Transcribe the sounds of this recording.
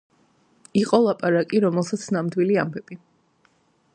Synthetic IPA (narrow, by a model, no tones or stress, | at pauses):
iqʼɔlˠapʼaɾakʼiɾɔmɛlˠsat̪sʰnamd̪wiliambɛb̥i